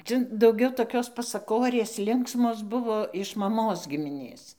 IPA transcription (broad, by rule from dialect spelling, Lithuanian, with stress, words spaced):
ˈt͡sɐ dɐʊˈɡʲɛʊ toːˈkʲoːs pɐsɐˈkoːrʲeːs ˈlʲɪŋksmoːs ˈbʊʋoː ɪʃ mɐˈmoːs ɡʲɪmʲɪˈnʲeːs